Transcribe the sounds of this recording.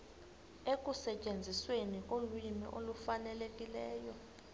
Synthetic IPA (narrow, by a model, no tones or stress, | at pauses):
ek̬ʼusɛt͡ʃʼend͡zʱiswenikʼolwimḭʔolufanɛlekʼilɛːjɔ